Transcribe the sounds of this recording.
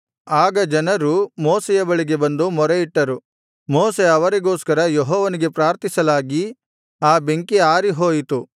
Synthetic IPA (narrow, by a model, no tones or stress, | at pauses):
aːɡɐd͡ʒɐnɐɾumoːsɛjɐbɐɭiɡe̞bɐnd̪umɔɾeiʈːɐɾu | moːse̞ɐʋɐɾiɡoːskɐɾɐjeɦɔːʋɐniɡe̞pɾaːɾt̪isɐlaːɡi | aːbeŋkiaːɾiɦoːjit̪u